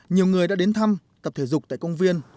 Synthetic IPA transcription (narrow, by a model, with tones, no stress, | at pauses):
ɲi˨˩əwŋɨ˨˩əjɗa̰ː˧˥ɗe˨˦nt̪ʰa˧m | t̪ə˨˩p̚t̪ʰe˧˩zʊ˨˩k͡p̚t̪a̰ː˧˨kə˧wŋ͡mvi˧ən